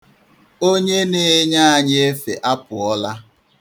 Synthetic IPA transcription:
o˦ɲe˦ne˦˨˦ɲa˦a˨ɲe˦e˦fe˨ʔa˦pʊ˨ɔ˦la˦

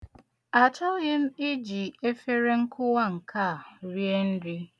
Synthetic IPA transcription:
a˨t͡ʃɔ˦ɣɪ˦m̩˦i˦d͡ʒi˨e˦fe˦ɾe˦ŋ̩˦kʰʊ˦wa˦˨ŋ̩˨kʰa˦˨ɾi˦e˦n̩˦dɪ˦

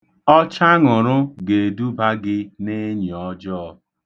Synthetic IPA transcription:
ɔ˦t͡ʃa˦ŋʊ˨ɾʊ˦ɡe˨du˦ba˦ɡɪ˦ne˦ɲi˨ɔ˦d͡ʒɔ˦ɔ˦˨

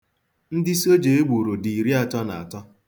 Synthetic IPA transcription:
n̩˦dɪ˦so˦d͡ʒe˨e˦ɡ͡bu˨ɾo˨di˨ɾi˦a˨tɔ˦na̰˨a˨tɔ˦

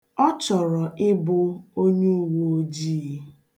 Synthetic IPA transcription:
ɔ˦t͡ʃɔ˨ɾɔ˨ʔɪ˦bʊ˦o˦ɲu˦wo˨o˦d͡ʒi˦˨˦

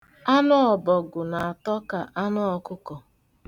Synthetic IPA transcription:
a˦nʊ˦ɔ˨bɔ˨ɡʊ˨na˨a˨tɔ˦ka˨ʔa˦nʊ˦ɔ˦kʊ˦kɔ˨

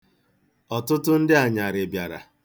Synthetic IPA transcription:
ɔ˨tʊ˦tʊ˦n̩˦dɪ˦a˨ɲa˨ɾɪ˨bja˨ɾa̰˨

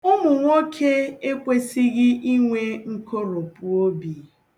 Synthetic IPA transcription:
ʊ˦mʊ˨ŋʷo˦kʰe˦e˦kʷe˦si˦ɣɪ˦ʔi˦ŋʷe˦ŋ̩˦ko˦ɾo˨pu˨o˦bi˨

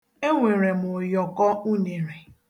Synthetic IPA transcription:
e˦ŋʷe˨ɾe˨mʊ˨jɔ˨kɔ˦u˦ne˨ɾe˨

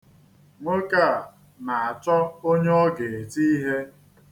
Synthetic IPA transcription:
ŋʷe˦ka˦˨ | na˨a˨t͡ʃɔ˦o˦ɲe˦ɔ˦ɡe˨e˨ti˦i˦ɦe˦

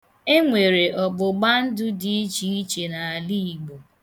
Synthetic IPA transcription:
e˦ŋʷe˨ɾe˨ʔɔ˨ɡ͡bʊ˨ɡ͡ba˦n̩˦dʊ˦di˦i˦t͡ʃi˦i˦t͡ʃe˨na˨a˨li˦i˨ɡ͡bo˨

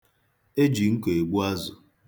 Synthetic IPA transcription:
e˦d͡ʒi˨ŋ̩˦ko˨e˨ɡ͡bu˦a˦zʊ˨

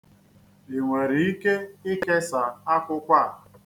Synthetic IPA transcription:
e˨ŋʷe˨ɾi˨i˦ke˦ɪ˦ke˦sa˨a˦kʷʊ˦kʷa˦˨

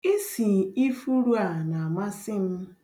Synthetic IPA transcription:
e˦si˨i˦fu˦ɾu˦a˨na˨a˨ma˦sɪ˦m̩˦

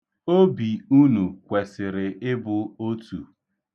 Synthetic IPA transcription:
o˦bi˨u˦nu˨kʷe˨sɪ˨ɾɪ˨ɪ˦bʊ˨o˦tu˨

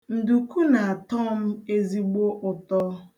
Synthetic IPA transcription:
n̩˨du˨ku˦na˨a˨tɔ˦m̩˦e˦zi˦ɡ͡bo˦ʔʊ˨tɔ˦

